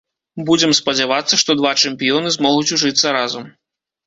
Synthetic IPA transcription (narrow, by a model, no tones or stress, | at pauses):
bud͡zʲɛmspɐd͡zʲavat̪sːɐʂt̪ɔd̪vat͡ʂɛmpʲijɔnɨzmɔɣut͡sʲuʐɨt̪sːɐɾazɐm